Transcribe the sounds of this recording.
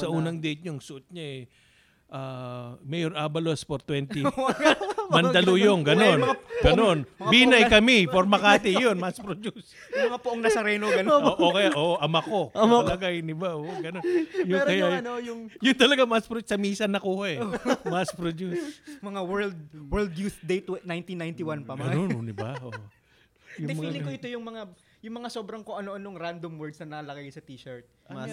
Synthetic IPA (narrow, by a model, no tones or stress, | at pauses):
sɐʔuːnɐŋd̪ɛjt̪̚ɲoŋsʊt̪̚ɲaɛ | ʔaːmɛjoɾʔaːbɐlospoɾt̪wɛnt̪ɪ | mɐnd̪ɐlojoŋɡɐno̞nɡɐnonbiːnɐjkɐmɪpoɾmɐkaːt̪ɪjonmɐspɾod͡ʒus | jʊmɐŋapʊʔoŋnɐsɐɾɛːnoɡɐnʔokɐjaʔoːʔoʔɐmako̞ɐlɐɡajd̪ɪbaʔoʔɡɐnonjʊɾkɐjaɐnojʊŋjʊnt̪ɐlɐɡamaspɾosɐmiːsɐnːɐkuːhɐɛmaspɾod̪usmɐŋawɛɹld̪̚wɛɹld̪juθd̪ejt̪wnajnt̪inajnt̪ɪwanpɐmɡɐɐnononɪbaʔo | jʊd̪mpɐŋialɪkoʔɪt̪o̞jʊŋmɐŋa | jʊŋmɐŋaso̞ːbɾɐŋkoʔɐnoʔɐnoŋɾand̪omwɛɹd̪snɐnɐkɐlɐɡajsɐt̪iːʃɐɹt̪̚ma